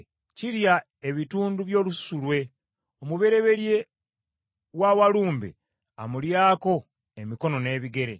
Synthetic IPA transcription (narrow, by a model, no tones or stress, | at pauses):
cilja | e̞βituːnduβjo̞ːlussulwe̞ | omuβe̞ɾe̞βe̞ɾje̞ | wawaluːmbḛ | amuljaːko̞ | emiko̞no̞ne̞ːβiɡe̞ɾe̞̰